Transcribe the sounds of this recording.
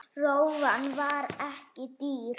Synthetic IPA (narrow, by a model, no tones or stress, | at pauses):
roːwvanvaɾɛhcɪt̪iːɾ̥